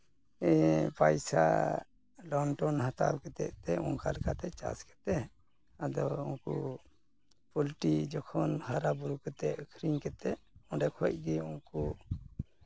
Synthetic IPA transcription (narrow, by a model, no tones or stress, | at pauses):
ɛpajsa̰ | lɔɳʈɔnhat̪a̰wkɛt̪ɛ̰ʔt̪ɛuŋkalɛkat̪ɛt͡ʃa̰skɛ̥t̪ɛ | ad̪ɔunku | pɔlʈid͡ʒɔkʰɔnhaɾabuɾukɛt̪ɛʔkʰɾiŋkɛt̪ɛɔɖɛkʰɔc̪̚ɡiunku